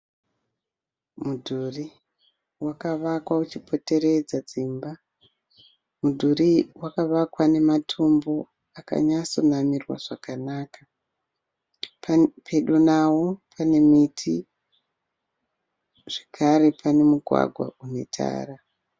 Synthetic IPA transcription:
mudʱuri | wakaʋakwaut͡ʃipʰo̞te̞ɾe̞d͡zad͡ziːmba | mudʱuriwakaʋakwane̞matʰombo̞ | aka̰ɲaso̞namirwa̰ʐ̥akanaːka | pʰe̞ɗonawopʰane̞mitʰi | ʐ̥ekʰaɾepʰane̞muɡʱwa̰ɡʱwa̰unetʰa̰ːra

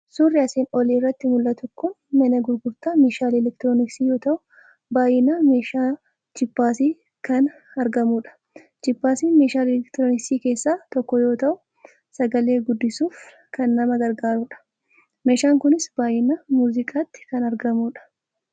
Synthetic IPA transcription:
suːrːɪɐseːnɔliːrːɐt̪ːɪmʊlːɐt̪ʊkʊn | mɐnɐɡʊɾɡʊɾt̪aːmeːʃaːlɛlɛkt̪ɾoːnɪksiːjo̞ːt̪ɐʔʊ | baːjɪname̞ːʃaː | t͡ʃɪpːaːsiː | kɐn | ɐɾɡɐmuːᶑɐ̥ | t͡ʃɪpːaːsiːmeːʃaːlɛlɛkt̪ɾonɪksiːke̞ːsːaːt̪ɔkːɔjo̞ːt̪ɐʔʊ | sɐɡɐle̞ːɡʊd̪ːɪsuːf | kɐnːɐmɐɡɐɾɡaːɾuːᶑɐ̥ | me̞ːʃaːŋkʊnɪsb̥aːjɪnamuːzɪkʼaːt̪ːɪ̥kɐnɐɾɡɐmuːᶑɐ̥

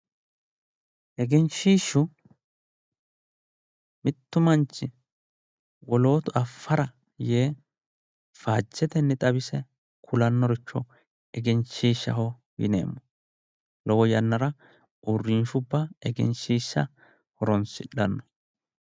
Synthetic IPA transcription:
ʔɛɡɛnʃiːʃʊ | mɪt̪ːʊmɐnt͡ʃːɪ | wɔlo̞ːt̪ʊɐfːɐɾɐ | jeː | faːt͡ʃːɛt̪ɛnːɛt̪ʼɐbɪsɛ | kʰʊlɐnːɔɾɪt͡ʃːɔ | ɛɡɛnʃiːʃːɐ̰hɔ | ɡɪ̰nḛːmːɔ | lɔwɔjɐnːɐɾɐ | ʔʊrːiːfʊbːɐɛɡɛ̰nʃiːʃːɐ̰ | hɔɾɔnsɪᶑːɐnːɔ

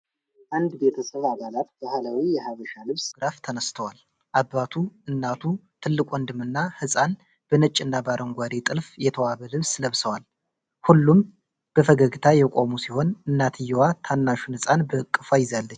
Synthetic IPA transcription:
ʔand̪be̞t̪ʰəsəβabalat̪bəhalawijɛhaβəʃalɨβsɡɾaft̪ʰənəst̪ʰəwal | ʔaβːat̪ʰuɨnːat̪ʰut̪ʰɨlːɨkʷʼwɔnd̪ɨmɨnːahɨsʼan | b̥ənɨt͡ʃʼːɨnːabaɾʔəŋɡʷad̪et̪ʼɨlfjɛt̪ʰəwaβəlɨβsləβsəwal | hulːum | b̥əfəɡəɡɨt̪ʰajɛkʼomusiho̞nɨnːat̪ʰɨjɛwat̪ʰanːaʃunhɨsʼanbəkʼːɨfajɪzalːət͡ʃː

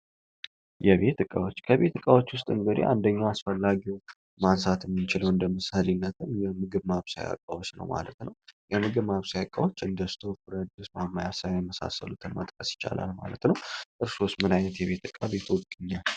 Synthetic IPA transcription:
jɛβe̞t̪ɨkʼawo̞t͡ʃːkʰəβe̞t̪ːɨkʼawot͡ʃːwʊst̪ʼɨŋɡɨd̪ḭʔand̪əɲːaasfəlːaɡiw | mansat̪jɛmːɨnt͡ʃɪləwɨnd̪əmɨshəlinːət̪ʰɨnjɛmɨɡɨβmaβsa̰ja̰kʼːawo̞t͡ʃːnə̰wma̰lət̪nəwjɛmɨɡɨβmaβsajakʼːawot͡ʃːɨnd̪əst̪ʰofɨɾd̪ɨsmamːajasajajɛməsa̰sə̰lut̪ʰɨnmət̪ʼkʼəsjɪ̥t͡ʃːa̰la̰lma̰lət̪nəwʔʼɨɾsosmɨnajnət̪jɛβe̞t̪ɨkʼːaβe̞t̪ʰwɔɡʼiɲːal

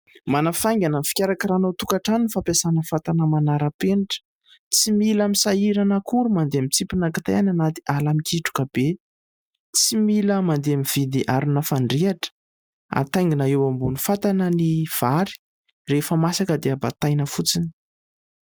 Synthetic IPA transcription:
manafajŋɡananfi̥kʲaɾakəɾanawt̪ukaʈ͡ʂaninifapesanəfat̪anəmanaɾəpeɳʈ͡ʂə̥ | t͡similamisaiɾanəkʰuɾumand̪eamit͡sipinakḁt̪ajananat̪i̥ʔalamikiʈ͡ʂu̥kəbe | t͡similəmand̪eamiv̥id̪iʔaɾunəfaɳɖ͡ʐiaʈ͡ʂə̥ | a̰t̪ajŋɡinaewambunifat̪anəniv̥aɾi̥ | refəmasakəd̪eabat̪ajnəfut͡sini̥

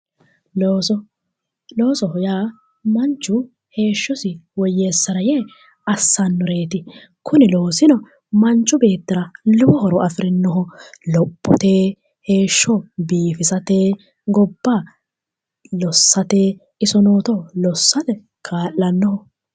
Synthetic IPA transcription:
loːsɔhʊjaː | mɐnt͡ʃːʊ | he̞ːʃːɔsɪwɔjːeːsːɐɾɐjeː | ɐsːɐnːʊɾe̞ːt̪ɪ | kʰʊnɪloːsɪnɔ | mɐnt͡ʃʼːʊbe̞ːt̪ːɪɾɐlʊbɔhɔɾɔʔɐfɪɾɪnːɔɦɔlɔpʼːɔt̪eː | he̞ːʃːɔbiːfɪsɐt̪eː | ɡɔbːaː | lɔsːɐt̪eː | ɪsɔno̞ːt̪ɔlɔsːɐt̪ɛ | kʰaːʔːɐnːɔhɔ

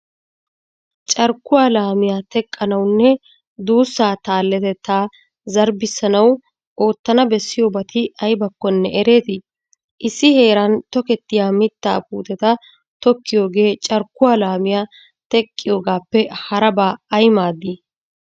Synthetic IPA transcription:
t͡ʃʼɐɾkːʊwaːlaːmɪjaːt̪ɛkʼːɐnɐwnːɛ | d̪uːsːaːt̪aːlːɛt̪ɛt̪ːaː | zɐɾbɪsːɐnɐw | ʔo̞ːt̪ːɐnɐbɛsːɪjoːbɐt̪ʰɪɐjbɐkːɔnːɛʔɛɾe̞ːt̪ɪ | ʔɪsːɪhe̞ːɾɐnt̪ɔkɛt̪ːɪjaːmɪt̪ːa̰ːp̚ṵːt̪ɛt̪ɐ | t̪ɔkːɪjo̞ːɡe̞ːt͡ʃʼɐɾkːʊwaːlaːmɪjaː | t̪ɛkʼːɪjo̞ːɡaːpːɛhɐɾɐbaːɐjmaːd̪i

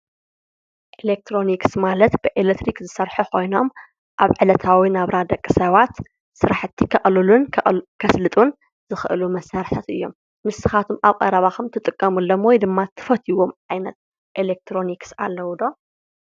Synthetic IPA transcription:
ʔelek̚t̪ʰɾo̞niksmalɐt̪bɨʔelet̪ɾikzɨsɐɾħukʰo̞jno̞m | ʔaβʕɨlɐt̪ʰawinaβɾad̪ɐkʼːɨsɐβat̪ | sɨɾaħɨt̪ʰːikʰɐʔʼlɨlunʰkʰɐslɨt̪ʼun | zɨxɨʔɨlumɐsaɾɨħt̪ʰat̪ɨjːo̞mː | ɨsːɨxat̪ʰumaβkʼɐ̰ɾɐβaxɐmt̪ʰɨt̪ʼɨkʼːɐmɨlːomwojd̪ɨmːat̪ʰːɨ̥fɐt̪ʰiwomʕajnɐt̪̚ | ʔelek̚t̪ɾo̞niksa̰lːɐwd̪o̞

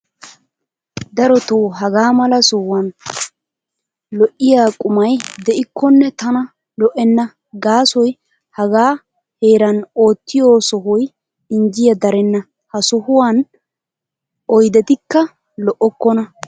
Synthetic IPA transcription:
d̪ɐɾɔt̪owɦɐɡaːmɐlɐsɔwɐn | lɔʔɪjaːkʼʊmɐjd̪ɛʔɪkːɔnːɛt̪ɐnɐ | lɔʔɛnːɐ | ɡaːsɔj | hɐɡaː | he̞ːɾɐno̞ːt̪ːɪjoːsɔɦʊj | ɪnd͡ʒɪjɐd̪ɐɾɛnːɐ | hɐsɔhʊwan | ɔjd̪ɛt̪ɪkːɐ | lɔʔɔkːɔnɐ

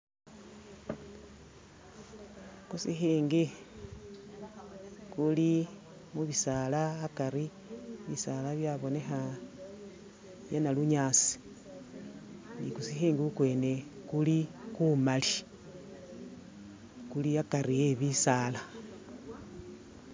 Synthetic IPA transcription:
kusixiːŋɡi | kuli | muβisaːlaːkaɾi | βisalaβjaβo̞ne̞xa | βjenaluɲaːsi̥ | nḭkusixiːŋɡiukwe̞ːne̞kulikumali | kuliakaɾieβisaːla

